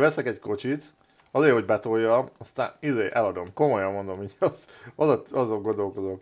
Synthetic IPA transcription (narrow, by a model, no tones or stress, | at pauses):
vɛsɛkɛcko̞t͡ʃit̪ | ɒzeːhoɟbɛt̪o̞jːɒmɒst̪a̰ːnizeːʔɛlɒd̪o̞mko̞mojɒmːo̞nd̪o̞miːɟɒz | ɒd̪ɒɒzo̞ŋɡo̞nd̪o̞lko̞zok